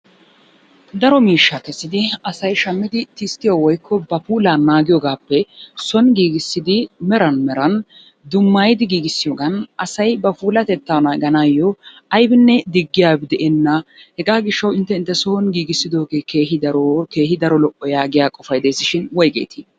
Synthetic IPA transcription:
d̪ɐɾɔmiːʃːakɛsːɪd̪ɪɐsɐjʃɐmːɪd̪ɪt̪ɪst̪ɪjowɔjkːɔbɐfuːlaːnaːɡɪjɔɡaːpːɛsɔnɡiːɡɪsːɪd̪ɪmɛɾɐnmɛɾɐn | d̪ʊmːaːjɪd̪ɪɡiːɡɪsːɪjoːɡɐnʔɐsɐjbɐpuːlɐt̪ɛt̪ːanɐɡɐnajːɔ | ɐjbɪnːɛd̪ɪɡːɪjaːbɪd̪ɛʔɛnːɐhɛɡaːɡɪʃːɐwɪnt̪ːɛɪnt̪ːɛsɔɔnɡiːɡɪsːɪd̪o̞ːɡeːke̞ːɦɪd̪ɐɾɔke̞ːhɪd̪ɐɾɔlɔʔːɔjaːɡɪjaːkʼɔfɐjd̪ejsːɪʃɪnwɔjkʼḛːt̪ʰi

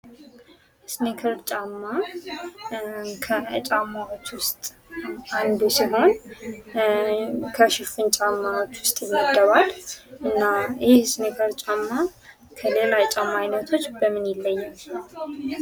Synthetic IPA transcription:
snekʰəɾt͡ʃʼamːa | kʰəət͡ʃʼamːawot͡ʃːwʊst̪ʼ | and̪usiho̞n | kʰəʃɪfɨnt͡ʃʼamːawot͡ʃːwʊst̪ʼmːid̪əβalʔɨnːajɪhsnekʰəɾt͡ʃʼamːa | kʰəlelat͡ʃʼamːajnət̪ʰo̞t͡ʃːbəmɨnjɪlːəjːɛ

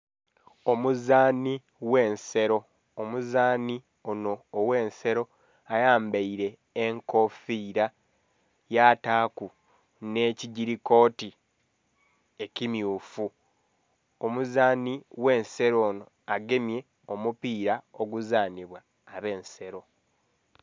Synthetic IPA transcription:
o̞muzaːni | we̞ːnse̞ɾo̞ː | muzaːni | ono̞ːwe̞ːnse̞ɾo̞ | ajaːmbaiɾe̞ː | ŋko̞fiːɾa | jataːku | ne̞ːciɟiɾiko̞ːti | e̞cimjuːfu | omuzaːniwe̞ːnse̞ɾo̞ːno̞ | aɡe̞mje̞ | omupiːɾaoɡuzaːniβwaː | βe̞ːnse̞ɾo̞

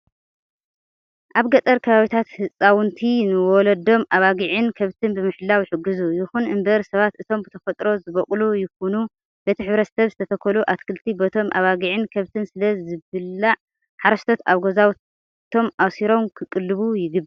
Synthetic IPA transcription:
ʔaβɡɐt̪ʼɐɾkʰɐβaβit̪ʰat̪hɨsʼawɨnt̪ʰinɨwɔlɐd̪o̞mʔaβaɡiʕɨnkʰɐβt̪ʰɨnbɨmɨħlːawjħɨɡːɨzujɪxunɨmbɐɾsɐβat̪ɨt̪ʰo̞mbɨt̪ʰɐfɐt̪ʼɾo̞zɨβɐkʼlujɪxunu | b̥et̪ʰiħɨβɾɐt̪sɐβzɨt̪ʰɐt̪ʰɐkʰːɐluʔat̪kʰɨlt̪ʰibɐt̪ʰo̞mʔa̰βaɡiʕɨnkʰɐβt̪ʰɨnsɨlɐzɨβɨlːaʕ | ħaɾɐʃt̪ʰot̪aβɡozaw | ɨt̪ʰo̞mʔawsiɾo̞mkʰɨkʼɨlːɨβujɪɡɨb

